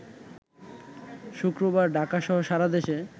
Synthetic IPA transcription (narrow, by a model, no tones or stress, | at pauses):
ʃukɾobaɾɖʱakaʃɔɦoʃaɾad̪eʃe